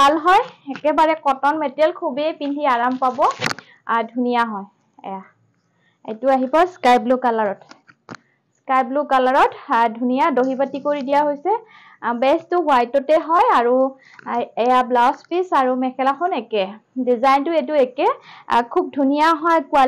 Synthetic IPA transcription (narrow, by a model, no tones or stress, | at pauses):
bʱalɦɔjɛkɛbaɹɛkɔtɔnmɛtɛlkʰubɛjpindʱiaɹampabɔ | dʱunijaɦɔ̃ | ɛ̰ja | ḛtuaɦibɔskajplukalaɹɔt | skajplukalaɹɔtdʱunijadoɦibatikoɹidijaɦojsɛ | bɛstʊwajtɔtɛɦɔjaɹu | ɛjablaspisaɹumɛkʰɛlaxʰɔnɛkɛdizajntʊetuɛkɛkʰub̚dʱunijaɦɔjkua